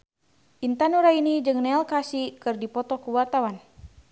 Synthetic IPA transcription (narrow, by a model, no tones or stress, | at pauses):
ʔint̪anuɾainid͡ʒɨŋnɛlkasikɨrdipɔt̪ɔkuwart̪awan